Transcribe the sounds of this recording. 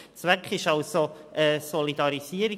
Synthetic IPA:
t͡svɛkχɪʃɑlsoʔɛːsɔlidɑɾisiəɾi

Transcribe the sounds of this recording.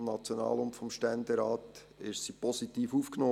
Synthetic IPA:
mnɑt͡sjonɑ̰ːlʊmtfɔmʃtɛnd̪eɾaːt | ɪʃsipʰɔsit̪iːfuːfknoː

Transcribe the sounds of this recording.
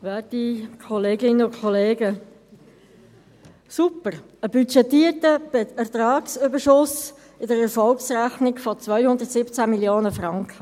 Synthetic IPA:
ʋɛːtikʰɔleːɡɪnəʊkʰχɔleːɡə | supəɾ | əbyt͡ʃɛt̪iːərtəb̥ɛɛt̪ɾɑːksʏbəɾʃʊs | ɪdəɾɛɾfɔlksræχnɪɡfɔt͡sʋœʏɥhʊnd̪ətsɪpt͡sæmiljoːnəfrɑŋkχə

